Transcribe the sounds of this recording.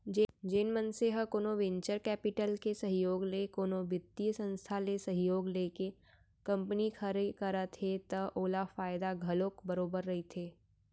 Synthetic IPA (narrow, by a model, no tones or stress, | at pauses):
d͡ʒenmənseɦəkoːnoʋɪ̃ɲt͡ʃəɾkɛːpɪʈəlkesɐɦjoːɡlekoːnobɪd̪iəsə̃nst̪ʰalesɐɦjoːɡleːke | kɐ̃mpənikʰɐɾekɐɾət̪ʰɦet̪ɐʔoːlafaːɪd̪aɡʱɐlokbəɾoːbəɾːɐɦit̪ʰeː